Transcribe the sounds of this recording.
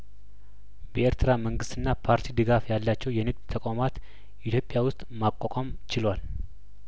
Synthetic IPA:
bəeɾt̪ʰɨɾaməŋɡɨst̪ɨnːapʰaɾt̪ʰid̪ɨɡafjalːat͡ʃːɛwjɛnɨk̚d̪t̪ʰəkʼamat̪ | ʔit̪ʰjo̞pʼːjawʊst̪ʼmakʷʼːakʼamt͡ʃɪlwal

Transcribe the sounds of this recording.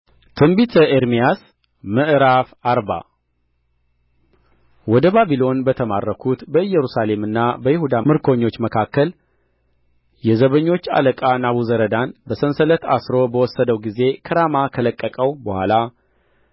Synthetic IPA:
t̪ʰɨmbit̪ʰəʔeɾmijas | məʔɨɾafaɾba̰ | wɔd̪əbabilo̞nbət̪ʰəma̰rːəkʰut̪bəɨjːɛɾusale̞mɨnːabəjɪhud̪amɨɾkʰo̞ɲːo̞t͡ʃːməkʰakːəl | jɛzəβəɲːo̞t͡ʃːa̰ləkʼanaβuzəɾəd̪anbəsənsələt̪ʰa̰sɾo̞bəwɔsːəd̪əwɡize̞kʰəɾamakʰələkʼːəkʼəwbəhʷwʷa̰la

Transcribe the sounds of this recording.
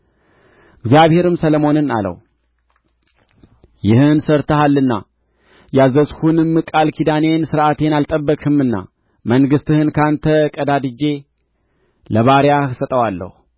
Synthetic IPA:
ʔɨɡzijaβhe̞ɾɨmsələmo̞nɨna̰lə̰h | jɪhɨnsəɾt̪ʰəhalːɨnːa̰ | jazəshunɨmːɨkʼalkʰid̪ane̞nsɨɾʔat̪ʰe̞nalt̪ʼəbːəkʼɨmɨnːa̰ | məŋɡɨst̪ɨhɨnkʰant̪ʰəkʼəd̪ad̪ɨd͡ʒe̞ | ləβaɾjahsət̪ʼəwalːə̰hu

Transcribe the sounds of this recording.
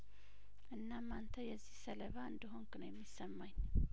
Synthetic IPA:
ʔɨnːamːant̪ʰəjɛzːihsələβaɨnd̪əɦoŋknəwjɛmːisːəmːaɲ

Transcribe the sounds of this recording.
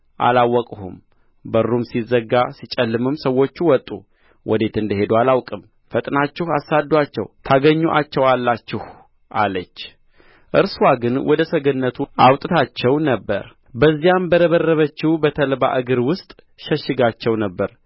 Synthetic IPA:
ʔa̰lawːɔkʼhṵm | bərːumsizːəɡːasit͡ʃʼəlːɨmɨmsəwːo̞t͡ʃːuwɔt̪ʼːṵ | wʔɔd̪e̞t̪ɨnd̪əɦe̞d̪ualawkʼɨm | fət̪ʼnat͡ʃːɪhasad̪ːwat͡ʃːɛ̰wt̪ʰaɡəɲːuʔat͡ʃːɛwalːat͡ʃːɪh | ʔalət͡ʃː | ʔɨɾswaɡɨnwʔɔd̪əsəɡənːət̪ʰuʔawt̪ʼɨt̪ʰat͡ʃːɛwnəbːə̰ɾ | bəzːijambəɾəβərːəβət͡ʃːɪbət̪ʰəlba̰ʔɨɡɨɾwʊst̪ʼ | ʃəʃːɪɡat͡ʃːɛwnəbːəɾ

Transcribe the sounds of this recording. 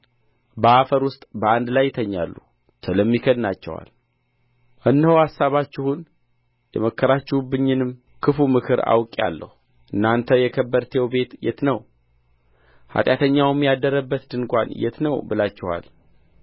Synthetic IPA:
bəafəɾwʊst̪ʼbəand̪lajːɪt̪ʰəɲːa̰lːu | t͡ʃʰələmːikʰəd̪nat͡ʃːɛwa̰l | ʔɨnːəhəwasːaβat͡ʃːɪhun | jɛməkʰːəɾat͡ʃːɪwbɨɲːɨnɨm | kʰɨfumɨkʰɨɾa̰wkʼa̰lːə̰hu | ʔɨnːant̪ʰəjɛkʰəbːəɾt̪ʰejɛwbe̞t̪jɛt̪nəw | ha̰t̪ʼjat̪ʰəɲːawmːjad̪əɾəbːət̪d̪ɨŋkʷʼa̰njɛ̰t̪nəwbɨlat͡ʃːɪha̰l

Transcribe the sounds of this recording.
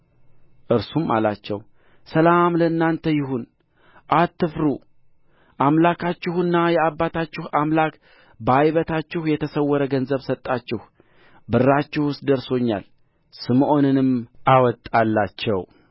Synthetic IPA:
ʔɨɾsuma̰la̰t͡ʃːɛw | səlamləɨnːant̪ʰəjɪɦun | ʔat̪ːɨfɾu | ʔamlakʰat͡ʃːɪhɨnːajɛabːat̪ʰat͡ʃːɪhamlak | bajβət̪ʰat͡ʃːɪhjɛt̪ʰəsəwːɔɾəɡənzəβsət̪ʼːat͡ʃːɪh | bɨrːat͡ʃːɪhwʊst̪d̪əɾso̞ɲːa̰l | sɨmʔo̞nɨnɨmʔawɔt̪ʼːalːat͡ʃːɛ̰w

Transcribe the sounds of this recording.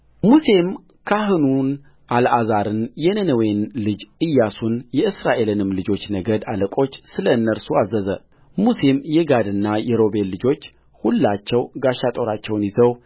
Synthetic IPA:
muse̞m | kʰaɦɨnun | ʔalʔazaɾɨnjɛnənəwenlɨd͡ʒɨjːasunjɛɨsɾaʔe̞lɨnɨmlɨd͡ʒo̞t͡ʃːnəɡəd̪aləkʼo̞t͡ʃːsɨləɨnːəɾsuazːəzə̰ | muse̞mjɛɡad̪ɨnːajɛɾo̞be̞lːɨd͡ʒo̞t͡ʃː | hulːat͡ʃːɛwɡaʃːat̪ʼo̞ɾat͡ʃːɛwnjizəw

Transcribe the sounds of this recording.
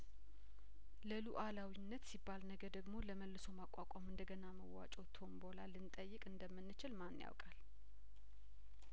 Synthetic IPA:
ləluʔalawinːət̪sibːalnəɡəd̪əɡmo̞ləməlːɨso̞makʷʼakʷʼamɨnd̪əɡənaməwːa̰t͡ʃʼot̪ʰo̞mbo̞lalːɨnt̪ʼəjːɨkʼɨnd̪əmːɨnːɨt͡ʃɪlmanːja̰wkʼal

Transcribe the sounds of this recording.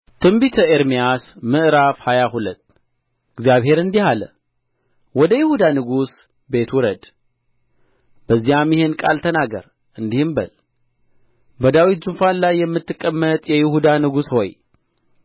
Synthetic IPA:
t̪ʰɨmbit̪ʰəeɾmijasmɨʔɾafhajahulət̪ː | ɨɡzjaβhe̞ɾɨnd̪ihalə̰ | wɔd̪əjɪhud̪anɨɡus | be̞t̪wɔɾəd̪ | b̥əzːijamjɪhenkʼa̰lt̪ʰənaɡə̰ɾ | ʔɨnd̪ihɨmbəl | bəd̪awit̪̚zunfanlajːɛmːɨt̪ːɨkʼːəmːət̪ʼjɛjɪhud̪anɨɡusho̰j

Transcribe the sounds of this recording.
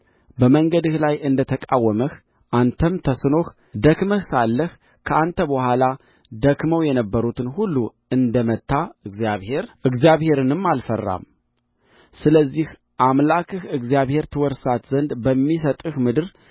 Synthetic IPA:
bəməŋɡəd̪ɨhlajʔɨnd̪ət̪ʰəkʼawːəməh | ʔant̪ʰəmt̪ʰəsɨno̞h | d̪əkməhsalːəh | kʰəant̪ʰəbəhʷala | d̪əkməwjɛnəbːəɾut̪ɨnhulːu | ɨnd̪əmət̪ːaɨɡzjaβhe̞ɾɨɡzijaβhe̞ɾɨnɨmːalfərːa̰m | sɨləzːih | ʔamlakʰɨhɨɡzijaβhe̞ɾt̪ʰɨwɔɾsat̪zənd̪bəmːis̬ət̪ʼɨhmɨd̪ɨɾ

